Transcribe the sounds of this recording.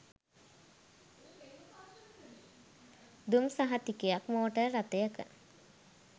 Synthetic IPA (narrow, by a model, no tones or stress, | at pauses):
d̪umsaɦat̪ikejakmoːəʈəɾat̪ejəkə̰